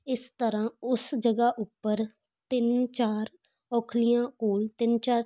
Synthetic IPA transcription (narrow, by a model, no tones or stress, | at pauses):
ɪst̪əɾãːʊsd͡ʒəɡaːʔʊpːəɾ | t̪ɪnt͡ʃaːɾ | ɔːkʰlɪjãːkoːlt̪ɪnt͡ʃaːɾ